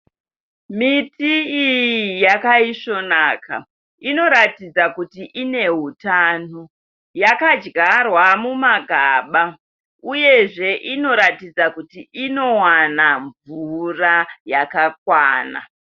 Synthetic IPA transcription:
mitiijijakaiʂo̞naːka̰ | ino̞ɾatid͡zakutiʔine̞ɦutaːno | jakad͡ʒɡarwamumaɡʱaːɓa | uje̞ʐe̞ʔino̞ɾatid͡zakutiʔino̞wanaɱvurajakakwaːna̰

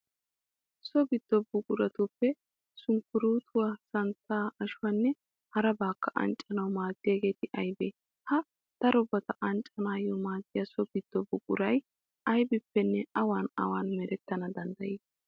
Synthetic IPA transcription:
sɔɡɪd̪̥ːɔbʊkʼʊɾɐt̪ʊpːɛ | sʊŋkːʊɾuːt̪ʰʊwasɐnt͡sːaːɐʃʊwɐnːɛ | hɐɾɐbaːkʰːɐʔɐ̰nt͡ʃʼɐnɐwmaːɡːɪjɐɡe̞ːt̪ɪʔɐjbeː | hɐ | d̪̥ɐɾɔbɐt̪ɐʔɐnt͡ʃʼːɐnaːjɔmaːɡːɪjɐsɔɡɪd̪̥ːɔbʊkʼʊ̰ɾɐj | ɐjbɪpːɛnːɛɐwaːnɐ̰waːnmɛɾɛt̪ːɐnɐd̪ɐnd̪ɐjiː

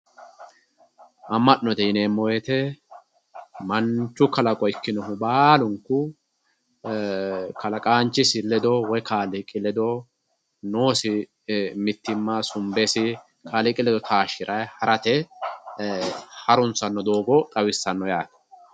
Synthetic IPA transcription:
ʔɐmːɐʔnɔt̪ɛɪneːmːɔjɛt̪ɛ | mɐnt͡ʃːʊkɐlɐkʼɔjkːɪnɔɦʊbaːlʊŋkːʊ | kɐlɐkʼaːnt͡ʃːɪsɪlːɛd̪ɔwɔjkaːlɪkʼɪlɛd̪ɔ | noːsɪ | mɪt̪ːɪmːasʊmbɛsɪ | kʰaːlɪkʼɪlɛd̪ɔt̪ʰaːʃɪɾʔɐjhɐɾɐt̪ɛ | hɐɾʊnt͡sːɐnːɔd̪oːɡɔt̪ʼɐwɪsːɐnːɔjaːt̪ɐ̥

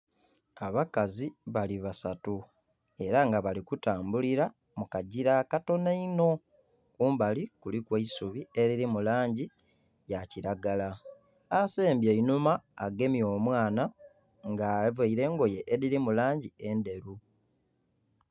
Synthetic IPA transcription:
aβakaziβaliβasatu | e̞ɾaŋɡaβalikutaːmbuliɾa | mukaɟiɾakato̞naino̞ | kuːmbalikulikweisuβie̞ɾiɾimulaːɲɟi | jaciɾaɡala | aseːmbjeinumaːɡe̞mjo̞ːmwaːna | ŋɡaveiɾe̞ːŋɡo̞jeʔːɾiɾimulaːɲɟie̞nde̞ɾu

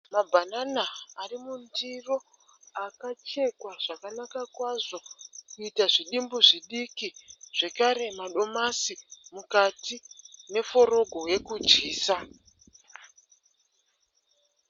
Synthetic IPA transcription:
mabʱananaːrimundiro̞ | akat͡ʃe̞kwaʐ̥akanakakwaʐo̞kuitaʐiɗimbuʐiɗikiʐ̥e̞kaɾe̞maɗo̞masimukatine̞fo̞ɾo̞ɡʱo̞je̞kud͡ʒiːsa

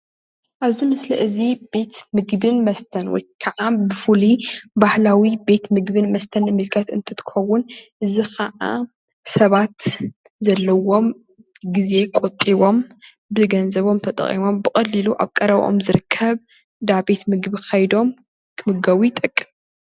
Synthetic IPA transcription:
ʔaβzimɨsliʔɨzibe̞t̪mɨɡbɨnmɐst̪ʰɐnwɔ̰jkʰɐʕabɨfulibahlawibe̞t̪mɨɡbɨnmɐst̪ʰɐnɨmɨlkʰɐt̪ɨ̰nt̪ʰɨt̪ʰɨ̥xɐwːʊnʔɨzikʰɐʕa̰ | sɐβat̪ | zɐlːɐwo̞m | ɡize̞kʼot̪ʼiβo̞m | bɨzɨɡɐnzɐβo̞mt̪ʰɐt̪ʼɐ̰χʼḭmo̞mbɨkʼɐlːiluʔa̰βkʼɐɾɐβʔo̰mzɨɾɨkʰːɐβ | d̪abe̞t̪mɨɡbikʰajd̪o̞m | kʰɨmɨɡɐwit̪ʼɐkʼːɨm

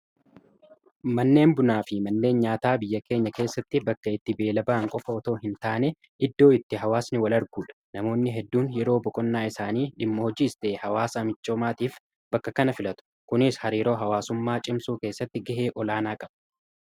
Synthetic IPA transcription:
mɐnːe̞ːmbʊnaːfɪmɐnːe̞ːnɲaːt̪aːbɪjːɐke̞ːɲːɐke̞ːsːɐt̪ːɪbɐkːɐɪt̪ːɪbe̞ːlɐbɐʔɐŋkʼɔfɐɔt̪o̞ːɦɪnt̪aːnɛ | ɪd̪ːo̞ːɪt̪ːɪɦɐwaːsnɪwɐlɐɾɡuːᶑɐ̥ | nɐmo̞ːnːɪɦɛd̪ːuːnjɛɾo̞ːbɔkʼɔnːaːɪsaːniːᶑɪmːɐhɔd͡ʒiːɪst̪e̞ːhɐwaːsɐmɪt͡ʃːo̞ːmaːt̪iːf | bɐkːɐkɐnɐfɪlɐt̪ʊ̥ | kʊnɪshɐɾiːɾo̞ːɦɐwaːsʊmːaːt͡ʃʼɪmsuːke̞ːsːɐt̪ːɪɡɐʔeːʔɔlaːnaːkʼɐb̥

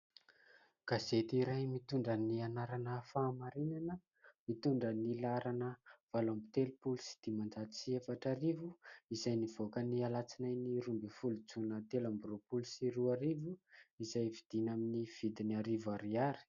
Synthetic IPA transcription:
ɡ̥azet̪iɾajmit̪uɳɖ͡ʐənianaɾanəfaːmaɾinanə | mit̪uɳɖ͡ʐənilaɾanəv̥alambit̪elupulusi̥d̪̥imand͡ʒat̪i̥siefaʈ͡ʂarivuizajniv̥okənialat͡sinajniɾumbifulut͡sunət̪elambropulusiruaɾivuizajvid̪̥inaminiv̥id̪inaɾivaɾiaɾi̥

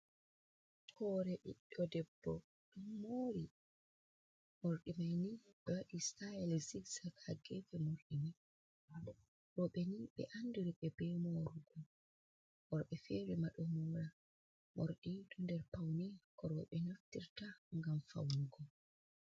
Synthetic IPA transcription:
hɔːɾɛʔḭɗːɔdɛbːɔ̰ | ɗumːoːɾi | moɾɗimajniɓɛwaɗistajɛlziɡsakhaɡɛfɛmoɾɗimi | ɾɔɓɛniɓɛ̰ʔanduɾiɓɛbɛmoɾuɡɔ | ʔɔɾɓɛfeːɾimaɗɔmɔːɾa | mʔoɾɗidundɛɾpawnikɔɾɔɓɛnoftiɾtaŋɡamfa̰wuɡɔ

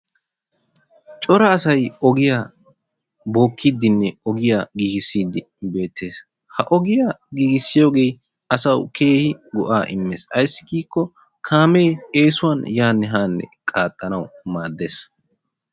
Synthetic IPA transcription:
t͡ʃʼɔɾɐːsɐjɔɡɪjaː | bo̞ːkʰːid̪ːɪnːɛɔɡɪjaɡiːɡɪsːiːd̪ːɪ | be̞ːt̪ʰːe̞ːs | hɐʔɔɡɪjaɡiːɡɪsːɪjo̞ːɡe̞j | ɐsɐwkʰe̞ːhɪɡɔʔaːʔɪmːeːsɐjsːɪ̥ɡiːkːɔ | kʰaːme̞ːeːsʊwaːnjaːnːɛɦaːnːɛ̰kʼaːt̪ʼːɐnɐwmaːd̪ːeːs

